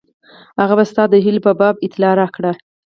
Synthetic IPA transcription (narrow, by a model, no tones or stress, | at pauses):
haɣabast̪ɑd̪əɦɪlbabɑbɪt̪lɑɾɑkɽa